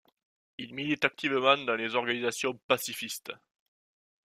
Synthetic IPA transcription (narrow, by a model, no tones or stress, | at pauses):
ilmilit̪ak̚t̪ivəmɑ̃d̪ɑ̃lezɔʁɡanizasjɔ̃pasifist̪ə